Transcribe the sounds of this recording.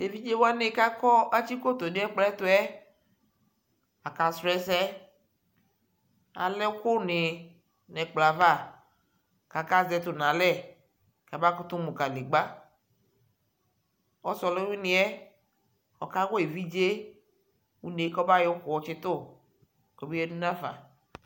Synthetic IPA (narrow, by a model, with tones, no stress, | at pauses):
e˨vi˦d͡ʒe˦wa˦ne˦ka˦kɔ˦a˦t͡ʃi˦ko˦t̪o˨ne˦ɛ˦k͡plɛ˦t̪ʊ˦ɛ˦ | a˨ka˨sɾɛ˦sɛ˦ | a̰˨lɛ˦kʊ˦nɪ˨ | nɛ˨k͡pla˨va˦˨ | ka˨ka˦zɛ˨t̪ʊ˨nã˨lɛ˦˨ | ka˨ba˦kʊ˦t̪ʊ˦mu˨ka˨le˨ɡ͡ba˦ | ɔ˦sɔ˨le˦wi˦nɪ˨ɛ˦ | ɔ˨ka˦wɔ˦e˨vi˦d͡ʒe˦ | wu˦ne˨˦kɔ˦ba˦jo˦kʊ˨wɔ˦t͡ʃɪ˦t̪ʊ˦˨ | kɔ˨bi˦jɛ˦du˦nã˦fa̰˨